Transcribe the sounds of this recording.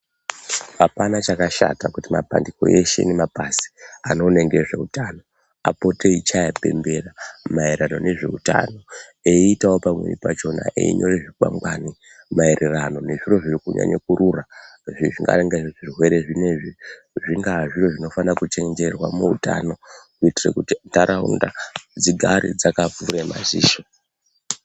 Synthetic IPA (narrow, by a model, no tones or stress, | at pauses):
apanat͡ʃakaʃa̰takutimapa̰ndiko̞̰ʔe̞ʃe̞̰ne̞mapasi̥ano̞ne̞ŋɡe̞ʐe̞̰utaːno̞ | apo̞teit͡ʃajape̞̰mbe̞ramaeɾano̞ne̞ʐe̞̰uta̰no̞eitawo̞pamwe̞̰rḭpat͡ʃo̞na̰ʔḛiɲo̞reʐikwa̰ŋɡwani | maeɾerano̞ne̞ʐiro̞ʐirikuɲa̰ɲekuɾuraʐiʐiŋɡa̰ɾeŋɡaʐeʐʐirwe̞ɾeʐine̞ʐi | ʐiŋɡaʐiro̞ʐino̞fanakut͡ʃe̞ŋd͡ʒe̞rwamuuta̰no̞kuitirekutindaɾʔaṵnda̰d͡ziɡʱaɾḭd͡zakafuɾema̰ziːʃo